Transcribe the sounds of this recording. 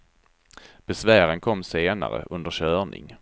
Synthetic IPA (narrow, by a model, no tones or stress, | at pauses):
b̥ɛsvæːɾənkʰɔmːseːna̰ɾə̰ʔɵnd̪əɕœːɳɪ̰ŋ